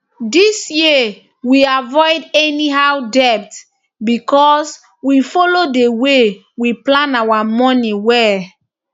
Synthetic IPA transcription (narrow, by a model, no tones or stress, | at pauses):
disji | wiavɔjdɛniɦawdɛp̚t | bikɔs | wifɔlodewe | wiplãnawamɔ̃niwɛ